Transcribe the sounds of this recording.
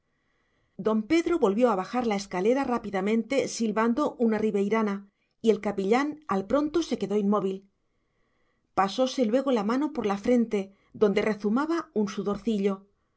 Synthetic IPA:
d̪o̞mpe̞ðɾo̞βo̞lβjo̞aβaxaɾlae̞skale̞ɾarapiðamẽ̞nt̪e̞silβand̪o̞ʔunariβe̞jɾana | ie̞lkapiʎanalpɾo̞nt̪o̞se̞ke̞ðo̞inmo̞β̞il | paso̞se̞lwe̞ɣ̞o̞lamãno̞po̞ɾlafɾe̞nt̪e̞ | ðo̞nd̪e̞re̞θumaβaunsuðo̞ɾθiʎo̞

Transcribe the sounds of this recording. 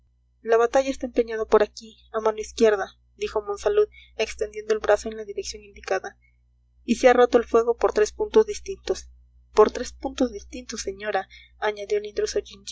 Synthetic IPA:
laβat̪aʝaest̪aempeɲaðopo̞ɾaki | amãno̞iskje̞ɾða | d̪ixo̞mo̞nsaluð | e̞kst̪end̪je̞nd̪oelβɾasoenlaðiɾeksjo̞nind̪ikaða | isearo̞t̪oelfwe̞ɣo̞poɾt̪ɾe̞spunt̪ozðist̪int̪os | poɾt̪ɾe̞spunt̪o̞zðist̪int̪osːe̞ɲoɾaː | ɲaðjo̞lind̪ɾosod͡ʒint͡ʃ

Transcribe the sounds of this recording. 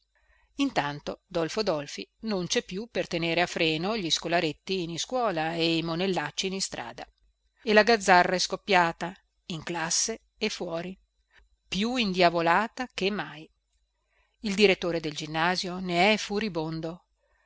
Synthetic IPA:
int̪ant̪od̪ɔlfod̪ɔlfinont͡ʃɛpːjupert̪eneːɾeafɾɛːnoʎiskolaɾet̪ːiːniskwɔːlaejmonelːat͡ʃːinist̪ɾʔa̰ːd̪a | elaɡad̪zːarːaɛskopːjaːt̪a | iŋklasːe | efːwɔːɾi | pjuind̪javolaːt̪akemːaj | ild̪iɾet̪ːoːɾed̪eld͡ʒinːaːzjoneɛfuɾibond̪o

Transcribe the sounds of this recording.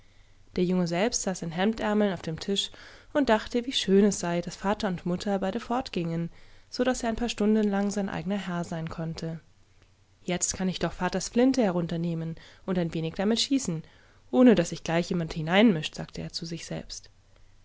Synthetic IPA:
d̥eːɐjʊŋəzɛlpstz̥aːsɪnɦɛmtʔɛɐml̩naʊfd̥eːmtʰɪʃʊnt̚d̥aχtəviːʃøːnɛsz̥aɪdasfaːtɐʊntmʊtʰɐbaɪɾəfɔɐtɡ̥ɪŋənz̥oɾaseːɐaɪnpʰaːɐʃtʊndn̩laŋzaɪnʔa̰ɪɡənɐɦɛɐzaɪnkʰɔntʰə | jɛt͡stkʰanɪçd̥ɔχfaːtɐsflɪntəhɛɐʁ̞ʊntɐneːmənʔʊntaɪnveːnɪçd̥amɪtʃiːsn̩ | ʔoːnədasz̥ɪçɡ̥laɪçjeːmanthɪnaɪnmɪʃtz̥aːk̚tʰəʔḛːɐt͡suzɪçz̥ɛ̰lpst

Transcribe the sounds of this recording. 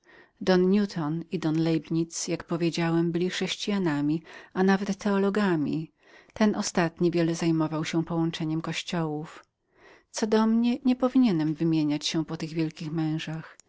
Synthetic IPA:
d̪ɔnɲʲut̪ʰɔnid̪ɔnlɛjbɲit̪sjakpɔvʲjed͡ʑawɛmbɘlʲixʂɛɕt͡ɕijanamʲianavɛt̪ːɛɔlɔɡamʲḭ | t̪ɛnʔɔst̪at̪ɲivʲjɛlɛzajmɔvawɕɛpɔwɔnt͡ʂɛɲɛmkɔɕt͡ɕɔwuf | t̪sɔd̪ɔmɲɛɲɛpɔvʲiɲɛnɛmvɘmʲjeɲat͡ɕɕɛpɔt̪ɘɣvʲjɛlkʲixmɛ̃w̃ʐax

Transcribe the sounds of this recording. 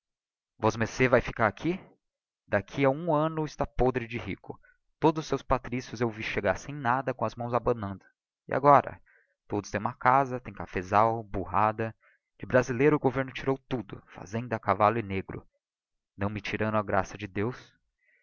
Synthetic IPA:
vɔzmesevajfi̥kaɾakʰi | d̪akʰiɐũɐ̃nʊɪst̪apod̪ɾɪd͡ʒɪɦikʊ | t̪od̪ʊzʊsːewspat̪ɾisjʊzewviʃeɡaɾsẽj̃nad̪ɐkõɐzmɐ̃w̃zabɐ̃nɐ̃nd̪ʊ | ɪ̰ʔa̰ɡɔɾɐ̰ | t̪od̪ʊst̪ẽj̃ũmɐkazɐt̪ẽj̃kafezawbuɦad̪ɐ | d͡ʒɪbɾazilejɾʊɡoveɾnʊt͡ʃiɾowt̪ud̪ʊ̰fa̰zẽnd̪ʊakavalʊɪneɡɾʊ̰ | nɐ̃w̃mɪt͡ʃiɾɐ̃nd̪ʊaɡɾasɐd͡ʒɪd̪ews

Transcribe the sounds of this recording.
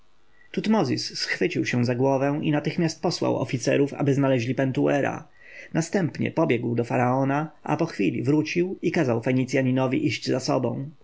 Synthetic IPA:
t̪ut̪mɔzʲisːxfɘt͡ɕiwɕɛ̃zaɡwɔvɛw̃inat̪ɘxmʲjast̪̚pɔswa̰wɔ̰fʲit̪sɛ̰ɾufa̰bɘznalɛʑlʲipɛnt̪uɛɾa̰ | nast̪ɛmpɲɛ̰pɔbʲjɛɡwd̪ɔfaɾaɔnaʔa̰pɔxfʲilʲḭvɾut͡ɕiwikazawfɛɲit̪sʲjaɲinɔvʲiʔiʑd͡ʑzasɔ̰bɔ̃w̃

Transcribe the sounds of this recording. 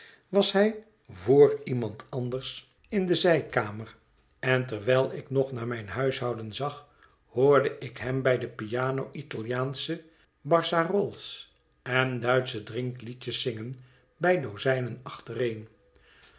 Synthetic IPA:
ʋɑsɦɛj | voːɹimɑntɑnd̪əɹs | ɪndəzɛjkaːmər | ɛntɛɹʋɛlˠɪknɔχnaːmɛjnɦœɥsɦɑwdənzɑχ | hʊːɹdəʔɪkɦɛmbɛjdəpijaːnowʔitalˠjaːnsə | bɑɹsarɔlˠs | ɛndœɥtsədrɪŋklicəsɪŋən | bɛjdowzɛjnənɑχtərejn

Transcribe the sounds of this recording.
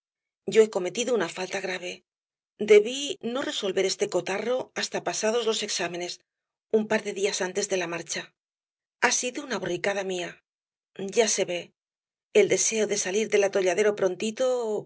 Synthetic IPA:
ɟ͡ʝo̞e̞ko̞me̞t̪iðounafalt̪aɣɾaβ̞e̞ | d̪e̞βino̞re̞so̞lβe̞ɾe̞st̪e̞ko̞t̪aro̞ast̪apasaðo̞zlo̞se̞ksame̞ne̞s | umpaɾðe̞ðiasant̪e̞zðe̞lamaɾt͡ʃa | asiðounaβorikaðamia | ɟ͡ʝase̞βe̞ː | ld̪e̞se̞o̞ðe̞saliɾðe̞lat̪o̞ʎaðe̞ɾo̞pɾo̞nt̪it̪o

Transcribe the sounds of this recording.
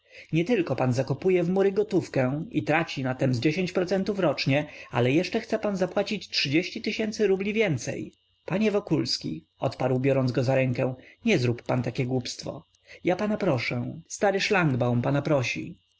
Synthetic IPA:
ɲɛt̪ɘlkɔpanzakɔpujɛvmuɾɘɡɔt̪ufkɛ̃ḭt̪ɾat͡ɕinat̪ɛmzd͡ʑeɕeɲt͡ɕpɾɔt̪sɛnt̪ufɾɔt͡ʂɲɛa̰lɛjɛʂt͡ʂɛxt̪sɛpanzapwat͡ɕit͡ɕtʂɘd͡ʑeɕt͡ɕit̪ɘɕɛnt̪sɘɾublʲivʲjɛnt̪sɛ̰j | paɲɛvɔkulskʲḭ | ɔ̰t̪paɾwbʲjɔɾɔnzɡɔzaɾɛŋkɛw̃ɲɛzɾupːant̪akʲɛɡwupst̪fɔ̰ | japanapɾɔʂɛ̃st̪aɾɘʂlaŋɡbawmpanapɾɔɕḭ

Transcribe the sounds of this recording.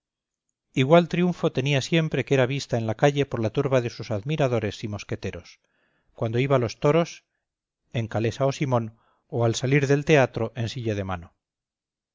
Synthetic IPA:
iɣwalt̪ɾijuɱfo̞t̪e̞niasje̞mpɾe̞keɾaβ̞ist̪aenlakaʎe̞po̞ɾlat̪uɾβaðe̞susaðmiɾað̞o̞ɾe̞simo̞ske̞t̪e̞ɾo̞s | kwand̪o̞iβalo̞st̪oɾo̞s | e̞ŋkale̞saosimõ̞n | oalsaliɾðe̞lt̪e̞at̪ɾo̞ʔe̞nsiʎað̞e̞ma̰no

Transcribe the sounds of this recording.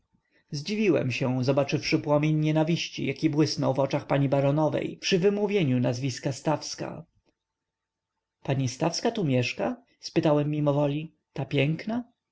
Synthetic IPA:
zd͡ʑivʲiwɛ̰mɕɛ̃zɔbat͡ʂɘfʂɘpwɔmʲeɲːɛnavʲiɕt͡ɕḭjakʲibwɘsnɔwvɔt͡ʂaxpaɲibaɾɔnɔvɛ̰jpʂɘvɘmuvʲjeɲunazvʲiskast̪afska̰ | paɲist̪afskat̪umʲjɛʂka | spɘt̪awɛmːimɔvɔlʲi | t̪apʲjɛŋkna

